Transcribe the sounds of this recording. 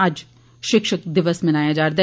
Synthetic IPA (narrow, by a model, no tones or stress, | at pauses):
ɐd͡ʒ | ʃɪkʃəkd̪ɪʋəsmɪnaːjad͡ʒaːɾd̪a